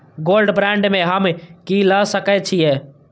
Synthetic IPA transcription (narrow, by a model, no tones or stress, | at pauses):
ɡoːlɖbɾɛ̃ːɳɖmẽɦəmkilasəkɛt͡ʃʰiɛː